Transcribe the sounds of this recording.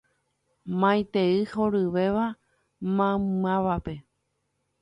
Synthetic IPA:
mãj̃t̪eɨhoɾɨʋe̞ʋa | mãmãʋape̞

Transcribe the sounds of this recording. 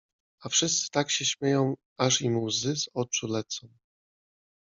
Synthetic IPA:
afʂɘst̪sɘ̥t̪akɕɛɕmʲjejɔ̃w̃ | aʐimuwzɘzɔt͡ʂulɛt̪sɔ̃w̃

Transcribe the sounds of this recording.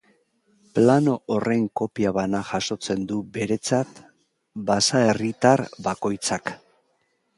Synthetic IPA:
plano̞ʔːre̞ŋko̞piaβ̞anaʝaʃo̞t͡se̞nd̪ube̞ɾe̞t͡sat̪ | basae̞rit̪arbako̞jt͡sak

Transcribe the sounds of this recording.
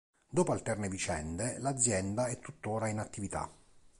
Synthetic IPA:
d̪oːpoalt̪ɛrnevit͡ʃɛnd̪elad̪zːjɛnd̪aɛt̪ːut̪ːoːɾainat̪ːivit̪a̰

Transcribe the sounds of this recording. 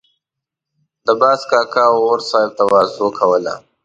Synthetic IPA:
d̪əbaːskaːkaoɾsaːjb̚t̪awaːzoːkʰɐwəla̰

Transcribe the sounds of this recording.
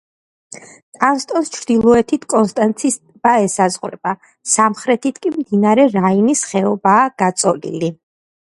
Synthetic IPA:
t̪ʼanst̪ʼɔnst͡ʃʰɾd̪̥ilˠɔɛt̪ʰit̪ʰkʼɔnst̪ʼant̪sʰist̪ʼbaɛsazʁɾɛ̰b̥a | samχɾɛt̪ʰit̪ʰkʼimd̪inaɾɛɾainisχɛɔbaːɡ̥at̪sʼɔlḭli

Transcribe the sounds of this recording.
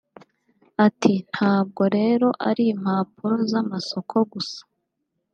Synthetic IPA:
atʰin̥haːb̚ɡo̞ɾe̞ːɾo̞ʔaɾiːm̥haːpuɾozamaso̞kʰo̞ɡusḁ

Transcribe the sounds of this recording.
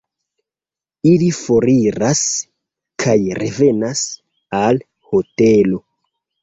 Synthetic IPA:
ilifo̞ɾiɾas | kʰajɾe̞ve̞nas | al | ho̞te̞lo̞

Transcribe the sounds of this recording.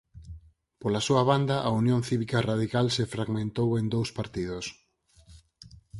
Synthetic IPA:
polasuɐβand̪ɐʔaunjõnθiβikarað̞ikalsefɾaɣmẽnt̪owend̪owspaɾt̪iðʊs

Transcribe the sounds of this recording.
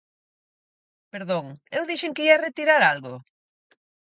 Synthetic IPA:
peɾðoŋewðiʃeŋkɪiaret̪iɾaɾalɣʊ

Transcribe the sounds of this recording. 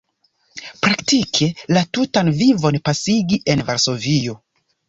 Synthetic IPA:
pɾaktikʰe̞latutanvivo̞npasiɡiʔe̞nvaɾso̞vio̞

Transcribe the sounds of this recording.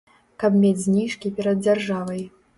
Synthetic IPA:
kɐbmʲed͡zʲzʲnʲiʂkʲipʲɛɾɐd̪̚d͡zʲarʐavɐj

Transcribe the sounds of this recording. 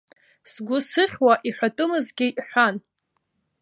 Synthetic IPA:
sɡʷʊsɨχʲwaʔiħʷᶣatʼɨmɨzɡʲɪʔħʷan

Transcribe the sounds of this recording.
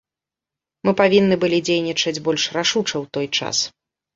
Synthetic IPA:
mɨpavʲinːɨbɨlʲid͡zʲejnʲit͡ʂɐd͡zʲbɔlʲʂraʂut͡ʂɐwt̪ɔjt͡ʂa̰s

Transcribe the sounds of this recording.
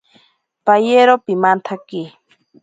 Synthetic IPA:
pajeɾopimant̪ʰaki

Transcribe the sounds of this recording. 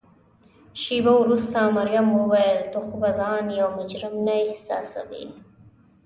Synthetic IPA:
ʃibawɾust̪amaɾjamwəwajəlt̪oxʊbazɑːnjawmʊd͡ʒɾɪmnajhsɑ̰ːsa̰wḭ

